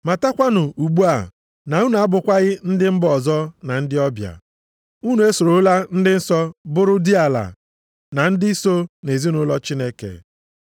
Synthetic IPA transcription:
ma˨ta˦kʷa˦nʊ˨u˨ɡ͡bu˦a˨ | na˨ŋu˦n˨a˦bʊ˨kʷa˦ɣɪ˦n̩˦dɪ˦m̩˦bɔ˨zɔ˦na˨n̩˦dɪ˦ɔ˦bja̰˨ | u˦nu˨˦e˦so˨ɾo˨˦la˦n̩˦dɪ˦n̩˦sɔ˦bʊ˦ɾʊ˦di˦a˨la̰˨ | na˨n̩˦dɪ˦so˦ne˨zi˦nʊ˦lɔ˦t͡ʃi˦ne˦kḛ˨

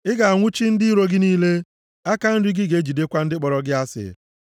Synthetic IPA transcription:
ɪ˦ɡa˨a˨ŋʷʊ˦t͡ʃi˦n̩˦dɪ˦ɾo˦ɡɪ˦niː˦le˦ | a˦ka˦n̩˦dɪ˦ɡɪ˦ɡe˦d͡ʒi˨de˦kʷa˦n̩˦dɪ˦k͡pɔ˨ɾɔ˨ɡɪ˦a˦sɪ̰˨

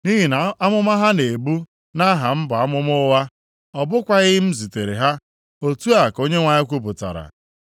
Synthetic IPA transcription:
ni˦ɦi˨na˨a˦mʊ˦ma˦ɦa˦ne˨bu˦ | na˦ɦa˨m̩˦ba˨a˦mʊ˦mʊ˦wa˦ | ɔ˨bʊ˦kʷa˦ɣɪ˦m̩˦zi˨te˨ɾe˨ɦa˦ | o˦tu˦a˨ko˦ɲe˦ŋʷa˨ɲɪ˦kʷu˦pʊ˨ta̰˨ɾa̰˨

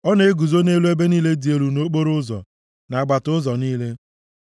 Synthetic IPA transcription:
ɔ˦ne˨e˦ɡu˨zo˦ne˦lu˦e˦be˦niː˦le˦di˨e˦ɾu˨no˦k͡po˦ɾʊ˦zɔ̰˨ | na˨a˨ɡ͡ba˨tʊ˦zɔ˨niː˦le˦

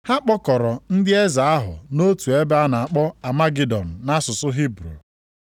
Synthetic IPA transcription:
ha˦k͡pɔ˦kɔ˨ɾɔ˨n̩˦dɪ˦e˦za˨a˦ɦʊ̰˨no˦tu˨e˦be˦a˦na˨a˨k͡pɔ˦a˨ma˦ɡi˦dɔ˨n̩˨na˦sʊ˨sʊ˦ɦi˦bɾṵ˨

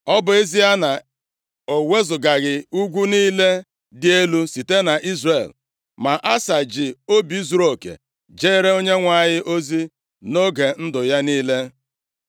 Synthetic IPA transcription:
ɔ˦bʊ˨e˦zi˦a˦na˨ | o˨we˦zʊ˨ɡa˨ɣɪ˨u˦ɡʷu˦niː˦le˦ | dɪ˦e˦lu˦si˨te˦na˨ʔi˦zre˨l | ma˨ʔa˦sa˨d͡ʒɪ˨o˦bi˨˦zu˨ɾo˨kḛ˨ | d͡ʒe˦ɾe˦o˦ɲe˦ŋʷa˨ɲɪ˦ʔo˦zi˦ | no˦ɡe˨n̩˦dʊ˨ja˦niː˦le˦

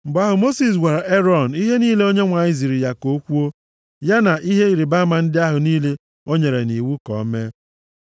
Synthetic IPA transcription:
m̩˨bʊ˦a˦ɦʊ˨mo˦si˨s̬wʷa˨ɾa˨e˦ɾɔ˨n˨i˦ɦe˦niː˦le˦o˦ɲe˦ŋʷa˨ɲɪ˦zi˨ɾi˨ja˦ko˦kʷu˦o˦ | ja˦na˨ʔi˦ɦe˦i˨ɾi˨ba˦ma˨n̩˦dɪ˦a˦ɦʊ˨niː˦le˦ | o˦ɲe˨ɾe˨ni˨wu˦kɔ̰˨˦me˦

